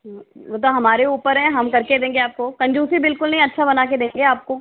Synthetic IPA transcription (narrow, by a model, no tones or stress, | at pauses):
ʋoːt̪̬oɦɐmaːɾeuːpəɾɦɛ̃ɦɐmkɐɾked̪ẽːŋɡeaːp̚kokɐ̃ɲd͡ʒuːsibɪlkʊlnɐɦĩɐtːʃʰabɐnaːked̪ẽːŋɡeaːp̚koː